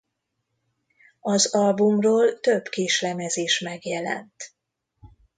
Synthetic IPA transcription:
ɒzɒlbumroːlt̪øbkeːʃlɛmɛzeːʃmɛɡjɛlɛ̰nt̪

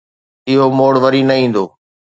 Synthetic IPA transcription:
ɪɦomoːɽʋəɾiːnɐĩːn̆d̪oː

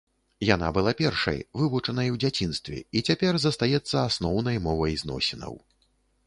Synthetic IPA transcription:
jan̪a̰bɨlˠapʲɛrʂɐ̰jvɨvut͡ʂɐnɐjwd͡zʲat͡sʲin̪st̪vʲɛ̰it͡sʲapʲɛrzɐst̪ajɛt̪sːɐasnɔwnɐjmɔvɐjznɔ̰sʲɛnɐ̰w

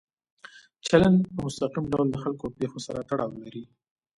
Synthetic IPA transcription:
t͡ʃalanpəmʊst̪aqimɖawld̪əxalkopexosaɾat̪aɽɑwlaɾi

